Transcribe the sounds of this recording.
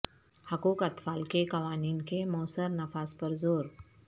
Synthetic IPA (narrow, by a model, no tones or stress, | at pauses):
həkoːkət̪faːlkekɐʋaːniːnkemɔːsəɾnɐfaspəɾzoːɾ